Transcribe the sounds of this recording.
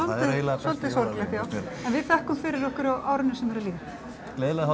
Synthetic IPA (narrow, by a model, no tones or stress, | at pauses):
ɔltðɪeːjlasɔlt̪ɪsɔɾlɛht̪jaːwɛnvɪðθɛhkʏmfɪɾɪɾɔhkʏɾaʔaːwɾʏnɪsɛmvɛɾaliːɪɾ | kleːlahɔ